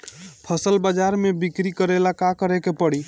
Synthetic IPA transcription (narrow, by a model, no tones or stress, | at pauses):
pʰəsəlbəd͡ʒaɾmebikɾikəɾelakakəɾekepəɽi